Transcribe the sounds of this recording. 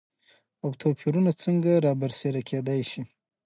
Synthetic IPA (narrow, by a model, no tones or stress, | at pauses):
awt̪ʰopʰiɾunat͡səŋɡaɾɑbaɾseɾakʰed̪ajʃi